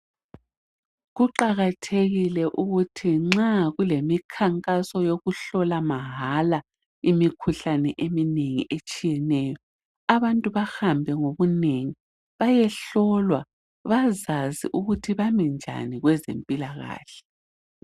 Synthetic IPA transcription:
ɣuǃaɣatʰeɣilɛʔuɣutʰiŋ͡ǁaɣulemikʰaŋkʼasɔjoɣuɬɔlamaɦala | imikʰuɬanɛʔemineŋḭʔet͡ʃʼijɛnɛjɔ | aβantʼuβahambʱɛŋoβuneŋi | βajɛɬɔlwa | βazazḭʔuɣutʰiβamind͡ʒʱa̰niɣwɛzḛmpʼilaɣa̰ːɬɛ̥

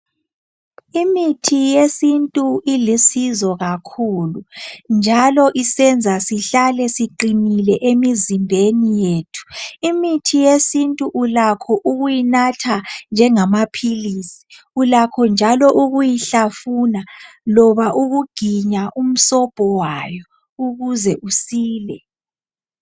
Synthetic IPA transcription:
imitʰijesintʼuilisizɔɣakʰulund͡ʒʱalɔʔisɛnd͡zʱasiɬalɛsiǃinilɛʔemizimbʱenijeːtʰu̥imitʰijesintʼuʔulakʰɔʔuɣujinatʰand͡ʒʱɛŋamapʰilisi̥ | ulakʰɔnd͡ʒʱalɔʔuɣujiɬafunalɔβaʔuɣuɡ̥ʱiɲaʔum̩sɔb̥ʱɔwajɔ | uɣuzɛʔusiːlɛ

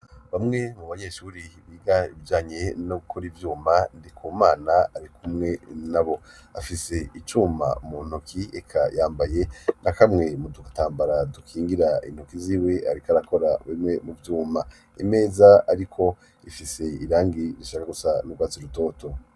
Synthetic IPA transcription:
βamŋe̞muβaɲe̞ʃuːɾiβiːɡaiβid͡ʒaːɲe̞noɡukʰoɾivjuːmandikʰomaːnaaɾikʰumŋe̞naβo̞ | afise̞it͡ʃuːma̰muːn̥ukʰiekʰa̰jaːmbaje̞nʔakamŋe̞mudukataːmbaɾadukʰiːŋɡiɾaḭn̥hokiziːwe̞a̰ɾikaɾako̞ɾaβemŋe̞muvjuːma | ḭme̞ːzaaɾikʰo̞ | ifise̞iɾaːŋɡiɾiʃaːkaɡusanuɡwaːt͡siɾuto̞ːto̞

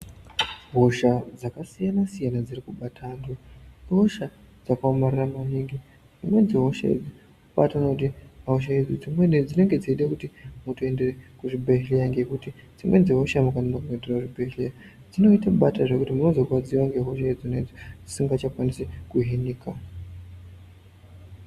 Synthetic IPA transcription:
ɦo̞ʃad͡zakasijanasijanad͡zirikuɓatʰaːndoɦoʃa | d͡zakaomariramaniŋɡi | d͡zimwe̞nd͡ziɦo̞ʃa̰ḛd͡zi | uɓa̰tanakut̬imaɦoʃ̬aed͡zid͡zimwed͡zine̞ŋɡe̞d͡ziiɗekutimutue̞nderekuʐibʱeɦilijaŋɡe̞kuti | d͡zimwe̞nd͡zeɦoʃamukananakuɦenderauʐibʱeɦilija | d͡zino̞itaɓataʐe̞kutimuno̞zo̞ɡwad͡ziwaŋɡe̞ɦo̞ʃaid͡zoned͡zid͡zisiŋɡat͡ʃakwanisekuɦiniːka

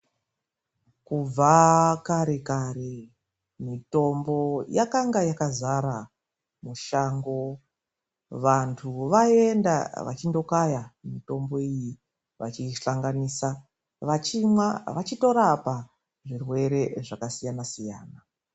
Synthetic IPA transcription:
kub͡vakaɾe̞kare | mito̞mbo̞jakaŋɡajakazaɾa | muʃaːŋɡo̞ | ʋantʰuʋaenda̰ʋa̰t͡ʃindo̞kajamito̞mbo̞iji | ʋa̰t͡ʃiɬaŋɡaniːsa | ʋat͡ʃimwaʋat͡ʃito̞ɾapa | ʐirwe̞ɾe̞ʐakasijanasija̰ːna

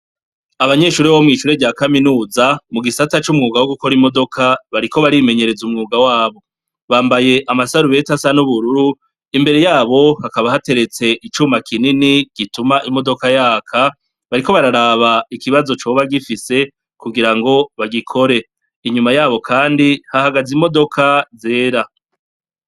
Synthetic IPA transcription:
aβaɲe̞ːʃuːɾiβo̞mŋiːʃuːɾeɟaːkaminuːzamuɡisatat͡ʃumŋuːɡawoɡuko̞ɾimo̞do̞kʰaβaɾiko̞βaɾime̞ɲe̞ɾe̞zumŋuːɡawaːβo̞ | βaːmbaje̞ʔamasaɾuβe̞tasanuβuɾuɾu | imbe̞ɾe̞jaːβo̞hakaβahate̞ɾe̞t͡se̞ʔit͡ʃuːmakʰininiɡ̥itumaʔimo̞do̞kajaːkʰa | βaɾiko̞βaɾaɾaβaikiβazo̞t͡ʃoβaɡifise̞ | kuɡiɾaŋɡo̞βaɡikʰo̞ɾe̞ | iɲumajaːβo̞kʰaːndihahaɡazimo̞do̞kʰaze̞ːɾa

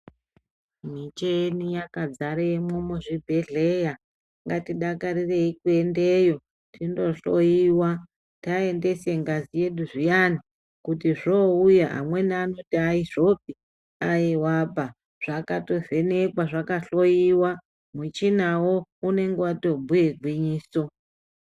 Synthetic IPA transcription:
m̤it͡ʃenijakad͡zaɾemomoʐibʱe̞ɮe̞ja | ŋɡatiɗakaɾire̞ikue̞ndejo̞ | tʰindo̞ɬojiːwa | tae̞nde̞se̞ŋɡazije̞ɗuʐijani | kutiʐoujaɦa̰mwe̞naːno̞tiaiʐo̞p̚i | ajiwapa | ʐ̥akato̞ve̞ne̞kwaʐakaɬo̞jiwa | mut͡ʃinawoune̞ŋɡewato̞bʱujeɡʱwiɲiːso̞

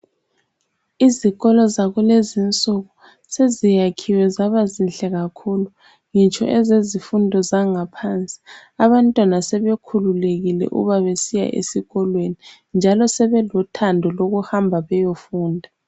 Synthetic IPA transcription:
iziɣɔlɔzaɣulezint͡sʼuɣu | sezijakʰiwɛzaβazinɬʼɛɣakʰulu | ŋit͡ʃʼɔ̰ʔɛzezifundʱɔzaŋapʰant͡sʼi̥aβantʼwanasɛβekʰululeɣilɛ̰ʔṵβaβesija̰ʔḛsiɣɔlweni | nd͡ʒʱalɔsɛβɛlɔtʰandʱɔloɣuhambʱaβɛjofuːndʱa

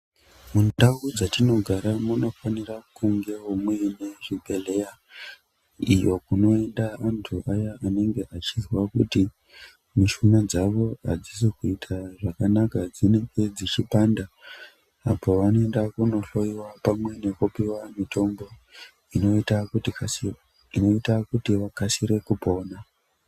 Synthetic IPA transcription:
mundawud͡zatino̞ɡʱaɾamuno̞fanirakuŋɡe̞omwe̞ne̞ʐibʱe̞le̞ja | ijo̞kuno̞e̞ndaːntʰuʔajaane̞ŋɡe̞ʔat͡ʃizwakuti | miʃunad͡zaʋo̞a̰d͡zis̬ekuitʰaʐakanakad͡zine̞ŋɡe̞d͡zit͡ʃipanda | apo̞ʋanoendakuno̞ɬo̞iwapamwe̞ne̞kupiwamitʰo̞mbo̞ | inota | inoitakutiʋakasiɾe̞kupo̞ːna

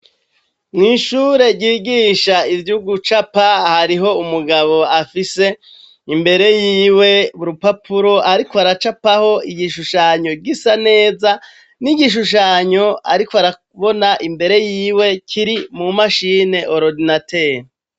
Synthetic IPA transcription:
mŋiːʃuːɾe̞ɟiːɡiʃaivjuɡut͡ʃapahaɾiɦo̞umuɡaβo̞afise̞ | imbe̞ɾe̞jiːwe̞βuɾupapuɾo̞ʔaɾikoaɾat͡ʃapaho̞iɟiʃuʃaɲo̞ɡisane̞ːza | niɟiʃ̬uʃ̬aɲo̞a̰ɾikoaɾa | βo̞naʔimbe̞ɾe̞jiːwe̞kʰiɾimumaʃiːne̞ʔoɾodinateɾ

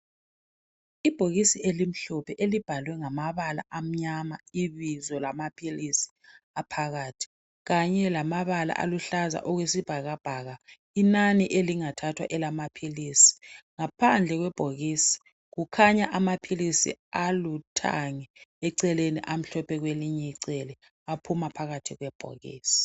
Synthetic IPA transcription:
ib̥ʱoɣisielim̩ɬɔpʰɛʔelib̥ʱalwɛŋamaβala̰ʔam̩ɲamaiβizɔlamapʰilisi̥ | apʰaɣaːtʰi̥ | ɣaɲɛlamaβala̰ʔa̰luɬaza̰ʔɔɣwesib̥ʱaɣab̥ʱaɣa | inaniʔeliŋatʰatʰwa̰ʔɛlamapʰiliːsi̥ŋapʰand͡ɮʱɛɣwɛb̥ʱoɣiːsi̥ | ɣukʰaɲaʔamapʰilisḭalutʰa̰ŋɛɛǀɛleniʔam̩ɬɔpʰɛɣweliɲɛiǀɛlɛ | apʰumapʰaɣatʰiɣwɛb̥ʱo̰ɣḭːsi̥

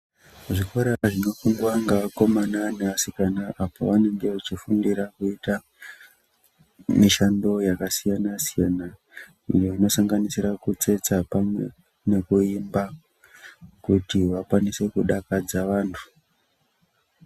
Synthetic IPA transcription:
ʐikoɾaʐino̞fuŋɡwaŋɡako̞mananeasikanaʔapa̰ʋane̞ŋɡe̞ut͡ʃifundiɾakuita | miʃando̞jakasijanasijana | ḭjo̞ino̞saŋɡanisirakut͡se̞t͡sapamwe̞ | ne̞kuimba | kutiʋakwanise̞kuɗakad͡zaʋaːntʰu̥

